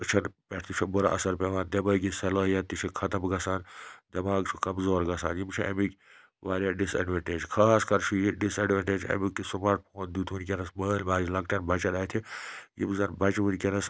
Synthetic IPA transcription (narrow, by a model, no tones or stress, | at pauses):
ɨt͡ʃʰɐnpɐʈʰt̪it͡ʃʰibuɾa̰ʔɐsɐɾpeʋaːnd̪ɐmɐːɡisɐlɐːɦjɐt̪it͡ʃʰikʰɐt̪ɐmɡɐsaːnd̪ɐmaːɡt͡ʃʰukɐmzoːɾɡɐsaːnjimt͡ʃʰũʔɐ̰mikʲ | ʋaːɾjaɖisɐ̰ɖʋeɳʈed͡ʒkʰaːskɐɾt͡ʃʰujiɖisɐɖʋeɳʈed͡ʒɐ̰mikːisumaːʈ̚pʰoːnd̪uːt̪ʰʋunʲkʲenɐsməːlmaːd͡ʒilɐk̚ʈjɐnbɐt͡ʃɐɗ̪aːjt̪ʰijḭmzɐnbɐt͡ʃʋunʲkʲenɐs